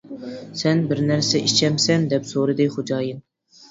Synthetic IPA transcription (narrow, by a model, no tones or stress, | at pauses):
sɛnbɪɾnæɾsɛʔit͡ʃʰɛmsɛnd̪ɛpsoɾɨd̪ɨχod͡ʒɑːjɨn